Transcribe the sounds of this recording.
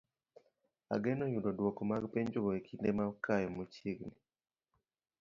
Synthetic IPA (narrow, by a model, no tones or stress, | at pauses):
a̰ɡɛnɔjudɔdwɔkɔmaɡpeɲd͡ʒoɡɔekʰindemakajɔmot͡ʃiɡni